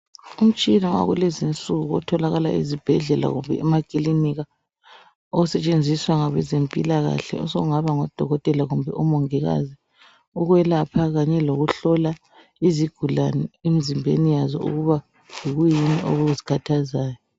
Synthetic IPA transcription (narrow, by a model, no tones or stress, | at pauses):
um̩t͡ʃʼinɔwa̰ɣulezint͡sʼuɣuɔtʰɔlaɣala̰ʔizib̥ʱɛɮɛla̰ɣumbʱɛ̰ɛmakʼiliniɣa | ousɛt͡ʃʼend͡zʱiswaŋaβɛzempʼilaɣa̰ɬɛ̰ɔ̰sɔɣuŋaβaŋɔd̥ʱɔɣɔtʼɛlaɣumbʱɛ̰ʔɔmɔŋɛɣa̰zi | uɣwɛlapʰaɣaɲɛloɣuɬɔla | iziɡ̥ʱulanɛemizimbʱḛnijazɔ̰ṵɣuβa | iɣujiniʔo̰ɣuzikʰatʰazaːjɔ